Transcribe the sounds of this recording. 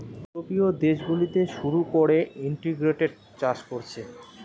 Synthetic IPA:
opiod̪eʃɡulit̪eʃuɾukoɾeiɳʈiɡɾeʈeɖ̚ | t͡ɕad͡ʑkoɾt͡ɕʰe

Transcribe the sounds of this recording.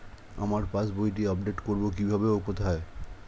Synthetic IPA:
a̰maɾpãsbojʈ̬iɔbɖeʈkoɾbokibʱabeokot̪ʰae

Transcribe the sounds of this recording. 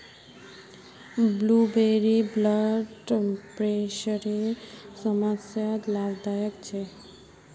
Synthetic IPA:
blubeɾibləɖpɾeʃəɾesəmasjat̪labd̪ajəkt͡ʃʰe

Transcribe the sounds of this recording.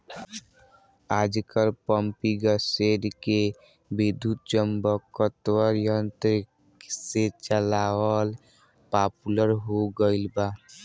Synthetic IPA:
ad͡ʒkəɾpəmpiɡəseɾke | bid̪ʱut̪̚t͡ʃəmbəkət̪wəɾjənt̪ɾik | set͡ʃəlawəl | papuləɾɦoɡəɪlba

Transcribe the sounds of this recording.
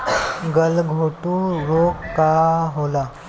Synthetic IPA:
ɡəlɡʱoʈuːɾokkːaɦola

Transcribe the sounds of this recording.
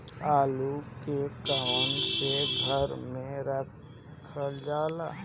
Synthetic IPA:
aːlukekaːwənseɡʱəɾmẽɾək | kʰəd͡ʒaːlaː

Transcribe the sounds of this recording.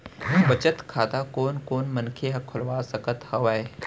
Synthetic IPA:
bɐt͡ʃət̪kʰaːt̪akoːnkoːnmɐ̃nkʰeɦɐkʰʊlʋaːsɐkət̪hɐʋae

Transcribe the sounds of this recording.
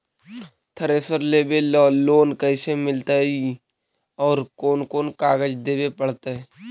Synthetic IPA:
t̪ʰəɾesəɾleːbelɔːlːoːnkəɪsemɪlt̪ai | ɔːɾkoːnkoːnkaːɡəd͡ʒd̪eːbepəɽ̤t̪eɛ

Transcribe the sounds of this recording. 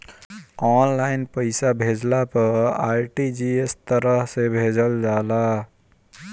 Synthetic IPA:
ɔnlaɪnpəɪsabʱed͡ʒlapəɾajʈid͡ʒiest̪əɾəɦsebʱed͡ʒəld͡ʒala

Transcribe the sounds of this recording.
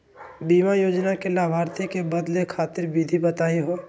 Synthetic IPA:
biːmajoːd͡ʒnakelaːbʱaːɾt̪ʰikebɐd̪lekʰaːt̪ɪɾbid̪ʱibət̪aːiɦoː

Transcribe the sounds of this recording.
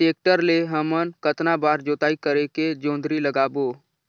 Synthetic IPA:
eːk̚ʈəɾleɦəmənkət̪nabaːɾd͡ʒoːt̪aːikəɾeked͡ʒõːnd̪ɾiləɡaːboː

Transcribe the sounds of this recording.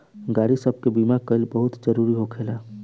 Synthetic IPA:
ɡaɾisəb̚ʱkebimakəɪlbəɦut̪d͡ʒəɾuɾiɦokʰela

